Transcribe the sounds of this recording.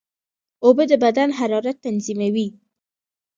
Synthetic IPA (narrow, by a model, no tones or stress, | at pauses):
obəd̪əbad̪anɦaɾɑɾat̪ːanzimawi